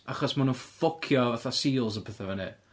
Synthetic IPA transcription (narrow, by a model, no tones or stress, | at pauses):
aχɔsmanufɔkʰjɔvaθasiːlˠz̬əpʰɛθɛvanḭ